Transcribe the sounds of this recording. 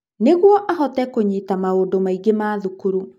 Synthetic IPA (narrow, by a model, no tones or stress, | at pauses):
neɣwɔʔaɦɔtɛkoɲitamaodomaiɡemaːðukuɾu